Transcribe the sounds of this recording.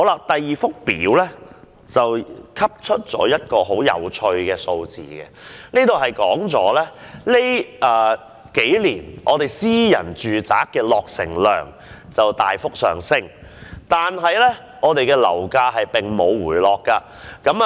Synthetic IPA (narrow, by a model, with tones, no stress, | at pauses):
o˨˥wlaː˧t̪ɐ˨jːiː˨fʊ˥k̚piː˨˥wlɛ˥ | t͡sɐ˨wkʰɐ˥p̚t͡ʃʰɵ˥t̚t͡sɔ̰ː˨˥jɐ˥t̚kɔː˧ɦo˨˥wjɐ̰˨˧wt͡ʃʰɵ˧ɥkɛː˧so˧wt͡sḭː˨˩kɛ̰˧nliː˥t̪o˨wɦɐ˨jkɔː˨˥ŋt͡sɔː˨˥lɛ˥le˥jʔɛː˨˩ | ke˨˥jliː˨˩nʔɔː˨˧t̪e˨jsiː˥jɐ̰˨˩nt͡ʃyː˨t͡sa̰ː˨˥kkːɛː˧lɔː˨k̚sɪ̰˨˩ŋlœ̰ː˨ŋ | t͡sɐ˨wt̪aː˨jfʊ˥k̚sœː˨˩ŋsɪ˥ŋt̪aː˨nɦɐ˨jlɛ˥ | ŋɔː˨˧t̪e˨jkɛː˧lɐ̰˨˩wkaː˧ɦɐ˨jpɪ˨˩ŋmo˨˧wwuː˨˩jlɔː˨kːaː˧ | kɐ˨˥m